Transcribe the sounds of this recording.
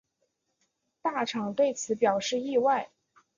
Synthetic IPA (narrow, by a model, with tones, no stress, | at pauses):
t̪a˥˩ʈ͡ʂʰɑ˨˩ŋt̪we˥˩ɪt͡sʰɹ̩˧˥pjɑ˨˩ʊʂɻ̩˥˧i˥˧wa˥˩ɪ